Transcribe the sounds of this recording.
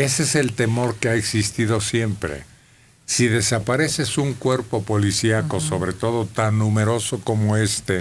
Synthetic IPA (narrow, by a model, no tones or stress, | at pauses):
e̞sese̞lt̪e̞mo̞ɾkeaeksist̪iðo̞sje̞mpɾḛ | siðe̞sapaɾe̞se̞suŋkwe̞ɾpo̞po̞lisjako̞so̞βɾe̞t̪o̞ðo̞t̪anːume̞ɾo̞so̞ko̞moe̞st̪e̞